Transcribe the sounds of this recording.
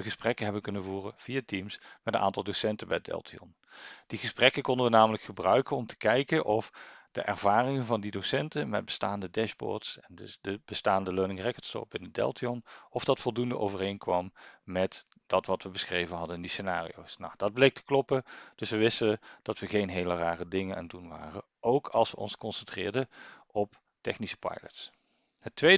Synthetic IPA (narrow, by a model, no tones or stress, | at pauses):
əɣəsprɛkənɦɛbənkɵnənvuːrəv̥ijatimsmɛtənʔa̰ːntɑlˠdosɛntəbɛ̰jədɛ̰lˠtʰiɔ̰n | d̥iɣəsprɛkəkɔndəʋənaːmələkχəbrœɥkənɔmtə̥kɛjkənʔɔfd̥ə̰ʔɛ̰rvaːrɪŋənvɑndidowsɛntəmɛ̰d̚bə̥staːndədɛʃbɔ̰ːɹtsɛndəb̥əstaːndəløːnɪŋrɛkəstɔ̰pɪnəd̚dɛ̰lˠtiɔnɔfdɑtfɔlˠdundəʔo̰wvərejnkʋɑmmɛt | d̥ɑtʋɑtʋəbəsχrejvənɦɑdənɪndisenaːrḭo̰wsna̰wd̥ɑd̚blejk̚tʰə̥klɔpəd̥ɵsʋəʋɪstəəd̥ɑtʋəɣejnɦeːləraːrədɪŋənʔa̰ndunʋa̰ːrə | ʔowkʰɑlˠsʋəʔɔ̰nskɔnsɛntrɪ̰ːɹdəɔp | tɛxnisə̥pɑ̰jlə̰ts | ɦətːʋe